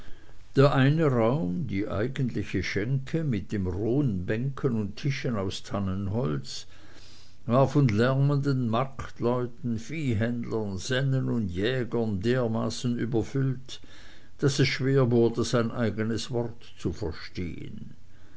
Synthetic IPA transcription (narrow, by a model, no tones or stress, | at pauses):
d̥eːɐʔaɪnəʁaʊmdiːʔa̰ɪɡəntlɪçəʃɛŋkʰəmɪt̚d̥eːmʁoːənbɛŋkʰənʊntʰɪʃənaʊstʰanənɦɔlt͡s | vaːɐfɔnlɛʁməndənmaktlɔʏtn̩fiːɦɛndlənz̥ɛnənʊndjɛːɡɐndeːɐmaːsn̩yːbɐfʏlt | d̥asɛsʃv̥eːɐvʊɐdəz̥aɪnʔaɪɡənəsv̥ɔʁtt͡sufɛɐʃtḛːə̰n